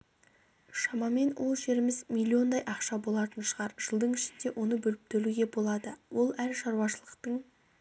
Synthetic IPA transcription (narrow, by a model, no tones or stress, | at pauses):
ʃɑmɑme̞nwʔo̞lˠʒe̞ɾɪmɪzmʲilʲːio̞nd̪ɑjʔɑqʃɑbo̞lˠɑt̪ənʃəʁɑɾʒ̥əlˠd̪əɴɪʃɪnd̪e̞wʔo̞nəbɵlɪp̚t̪ʰɵluɡʲe̞bo̞lˠɑd̪əwʔo̞lˠæɾʃɑɾuɑʃəlˠəqt̪əɴ